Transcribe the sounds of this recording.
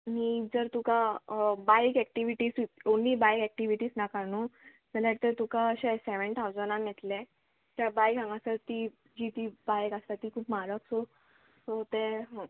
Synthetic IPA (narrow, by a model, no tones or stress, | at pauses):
miːd͡zəɾt̪ukabajkɛk̚ʈiʋiʈiːsionːiːbajkɛk̚ʈiʋiʈiːsnakano | məɾaʈt̪əɾt̪ukãəɕɛsɛʋəɳt̪ʰawd͡zənanɛt̪le | t̪jabajkãŋɡasəɾt̪iː | d͡ʑit̪iːbajkast̪at̪iːkʰuːpmaɾəksɔ | sɔt̪eɦə